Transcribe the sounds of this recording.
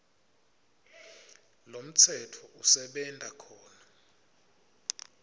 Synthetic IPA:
lom̩t͡sʰɛtʰɔʔusɛɓɛntʼakʰɔːna

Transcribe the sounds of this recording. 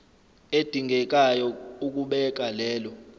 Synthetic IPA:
ed̥ʱiŋɡʱɛk̬ʼajɔuk̬ʼuɓɛk̬ʼalɛːlɔ

